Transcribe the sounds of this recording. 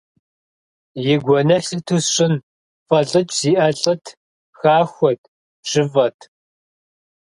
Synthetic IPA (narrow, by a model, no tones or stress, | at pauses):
jɪɡʷɔnɐɬɨtʰusɕʼɪn | fʼɐɬʼɨt͡ʃʰʼziːʔɐɬʼɐtʰ | xaːxʷɔtʰ | ʒɪvɐtʰ